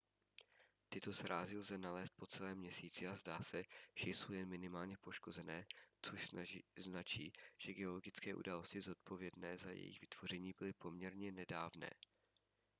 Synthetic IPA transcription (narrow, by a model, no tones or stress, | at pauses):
t̪ɪt̪o̞sɾaːzɪlzɛnalɛːst̪̚po̞t͡sɛlɛːmɲɛsiːt͡sɪazdaːsɛʒ̥ɛjsowjɛnmɪnɪmaːlɲɛpo̞ʃko̞zɛnɛːt͡soʃznat͡ʃiːʒ̥ɛɡɛo̞lo̞ɡɪt͡skɛːʔṵdaːlo̞scɪzo̞t̪̚po̞vjɛdnɛːzajɛ̰jɪ̰ɣvɪt̪v̥o̞r̝ɛɲiːbɪlɪpo̞mɲɛɾɲɛnɛdaːvnɛ̰ː